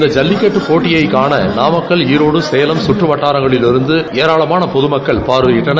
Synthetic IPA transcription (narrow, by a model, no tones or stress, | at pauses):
nd̪ɐd͡ʒɐlːɪkːɛʈːɯpːoːʈːɪjɐɪkːaːnɐnaːmɐkːɐɭiːɾoːɽɯsɛjɐlɐmsʊʈrɯʋɐʈːaːɾɐŋɡɐɭɪlɪɾɯnd̪ɯeːɾaːɭɐmaːnɐpɔðɯmɐkːɐɭpaːɾʋɪjɪʈːɐnɐ